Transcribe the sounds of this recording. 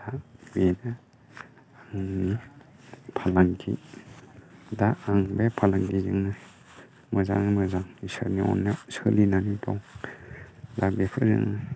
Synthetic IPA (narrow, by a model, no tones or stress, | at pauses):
tʰabena | aŋni | pʰalaŋkʰḭ | daaŋbepʰalaŋɡizɯŋnɯ | mɯza̰ŋnimɯzaŋisɯ̰ɾniɔ̰nːɯsɯlinanitɔŋ | dak̚bepʰɯzɯ̰ŋnɯ